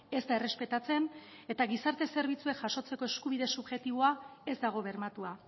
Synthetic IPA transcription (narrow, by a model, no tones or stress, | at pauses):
e̞zd̪aere̞spe̞t̪at͡se̞ne̞t̪aɣisaɾt̪e̞se̞ɾβ̞it͡sue̞kʝaso̞t͡se̞ko̞eskuβiðe̞subʝe̞t̪iβ̞o̞ae̞zd̪aɣ̞o̞βe̞ɾmat̪ua